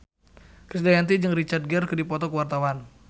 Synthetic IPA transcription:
kɾisdajant̪id͡ʒəŋrit͡ʃard̚ɡərkədipɔt̪ɔkəwart̪awan

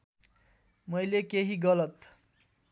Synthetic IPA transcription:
mʌjlekeɦiɡʌlʌt̪

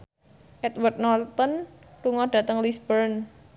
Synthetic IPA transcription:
ʔɛt̪wərd̪̚nɔlt̪ɔn | luŋɔɖ̥ä̤t̪əŋlisb̥əɾn

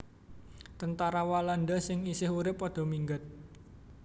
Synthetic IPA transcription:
t̪ənt̪aɾawalanɖasɪŋisɪhuɾɪpːɔɖ̪̥ɔ̤miŋɡat̪̚

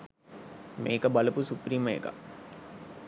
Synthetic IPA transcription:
meːkəbɐlɐpusupriːməḛka̰

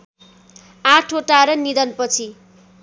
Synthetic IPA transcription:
aʈʰoʈaɾʌnid̪ʌnpʌt͡sʰi

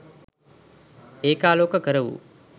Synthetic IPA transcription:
eːkaːloːkəkəɾəʋṵ

